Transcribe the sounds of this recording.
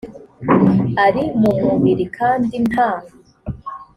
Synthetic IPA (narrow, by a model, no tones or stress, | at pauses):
aɾimumuβiɾikʰaːndinaːŋa